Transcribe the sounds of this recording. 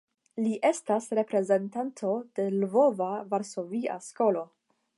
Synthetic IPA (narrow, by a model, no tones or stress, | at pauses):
liʔe̞stasɾe̞pɾe̞ze̞ntantʰo̞d̥e̞lvo̞vavaɾso̞via̰sko̞lo̞